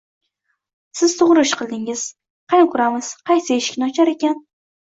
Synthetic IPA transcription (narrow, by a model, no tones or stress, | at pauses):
sɪz̥t̪ʰʊʁɾɪʃqʰɨlˠd̪ɪŋɪz̥ | qʰɑnɪkʰʊɾamɪz̥qʰɑjsɪeʃɪ̥kʲnɪɒt͡ʃʰaɾe̞kʲan